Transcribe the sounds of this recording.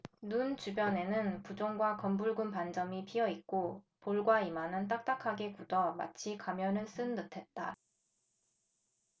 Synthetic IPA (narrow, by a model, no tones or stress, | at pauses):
nunt͡ɕubjʌne̞nɯnpud͡ʑoŋɡwakʌmbuɭɡunpand͡ʑʌmipʰiʌik̚k͈o | poɭɡwaimanɯnt̬͈ak̚t͈akʰaɡe̞kudʌma̰t͡ɕʰikamjʌnɯɭs͈ɯnːɯtʰe̞t̚t͈a